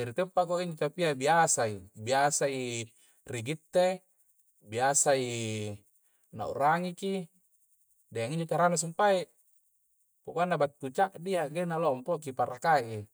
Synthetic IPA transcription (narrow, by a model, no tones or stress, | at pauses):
d͡ʒaɾit̪epːakoiɲd͡ʒot͡ʃapiabiasaibiasai | riɡit̪ːe | biasai | na̰ṵɾaŋiki | deaŋiɲd͡ʒot͡ʃaɾanas̬umpaiʔ | pokuanːabat̪ːut͡ʃaʔdiaɡenalompokipaɾakaʔi